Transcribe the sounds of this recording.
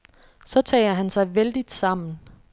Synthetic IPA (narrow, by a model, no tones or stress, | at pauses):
sɒ̽t͡sʰɛ̰ːɐɦænsɑ̈ɪʋeld̥id̥sɑ̈m̰n̩